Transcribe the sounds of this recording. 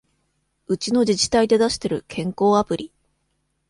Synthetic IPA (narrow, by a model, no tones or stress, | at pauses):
ɯ̟t͡ɕino̞d͡ʑit͡ɕi̥t̪aid̪e̞d̪aɕi̥t̪e̞ɾɯ̟kʰẽ̞ŋko̞ːapɯ̟ɾʲi